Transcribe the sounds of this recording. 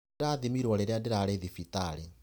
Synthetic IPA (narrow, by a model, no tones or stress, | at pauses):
ɾaðimiɾwɔɾeɾeandɪɾaɾeðifitaɾe